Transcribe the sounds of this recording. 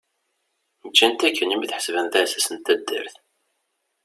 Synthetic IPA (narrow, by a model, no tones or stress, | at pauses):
nəd͡ʒːænt̪ækːənimiθħə̥svænθæsæsənt̪æd̪ːə̰ɾθ